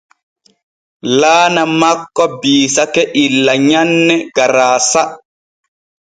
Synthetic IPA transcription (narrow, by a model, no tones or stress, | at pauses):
laːnamakːɔbiːsakɛʔilːaɲanːɛɡaɾaːsa